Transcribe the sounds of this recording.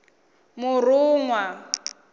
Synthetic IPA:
mʊrʊːŋwa

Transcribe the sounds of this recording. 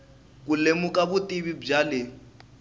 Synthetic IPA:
k̬ulemukaβutʼiβib͡ʐalɪ

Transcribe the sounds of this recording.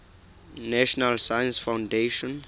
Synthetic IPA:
nɛʃɔnalsajə̃nsfãwndeʃɔ̃n

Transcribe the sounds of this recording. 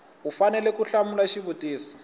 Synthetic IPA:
ufanɛlɛkuɬamulaʃiβutʼiːsi̥

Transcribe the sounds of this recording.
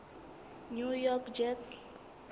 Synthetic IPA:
njujɔkd͡ʒɛts

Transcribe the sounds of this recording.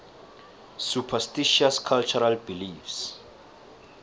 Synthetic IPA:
supʰastiʃaskʰalt͡ʃɔɹalbilifs

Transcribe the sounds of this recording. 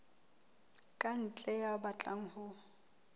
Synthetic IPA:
kʼan̩t͡ɬʼɛjabat͡ɬʼaŋ̩hʊ

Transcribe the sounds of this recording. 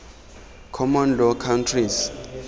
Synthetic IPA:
kʰɔmɔnlɔkʰawntʰriz

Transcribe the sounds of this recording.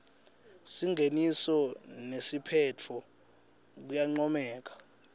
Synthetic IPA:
siŋʱenisɔnesipʰɛt͡fʰɔ | k̬ujaŋ͡ǀɔmɛːk̬ḁ

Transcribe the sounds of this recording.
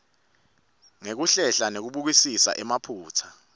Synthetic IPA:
ŋek̬uɬɛɬanek̬uɓuk̬isisa̰ʔɛmapʰuːt͡sʰḁ

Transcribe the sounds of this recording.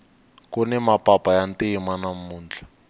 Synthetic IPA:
kunɛmapʼapʼajanteimanamuːnd͡ɮʱa

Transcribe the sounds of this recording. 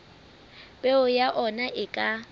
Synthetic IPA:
b̥eʊjaʔɔnaʔɪkʼa

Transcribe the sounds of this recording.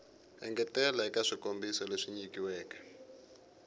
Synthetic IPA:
ɛ̰ŋɡɛtɛlaikaʂikombisɔleʂiɲikiwɛːkḁ

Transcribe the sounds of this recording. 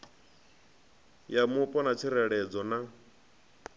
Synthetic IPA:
jamupʼɔnat͡sʰiɾɛɺɛd͡zɔna

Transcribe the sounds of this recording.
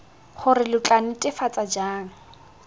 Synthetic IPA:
χʊrɪlʊt͡ɬʼanɪtʼɪfat͡sʼad͡ʒaːŋ̩

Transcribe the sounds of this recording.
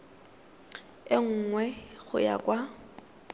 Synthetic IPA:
ɪŋ̩ːŋwɛɣʊja̰kʼwa

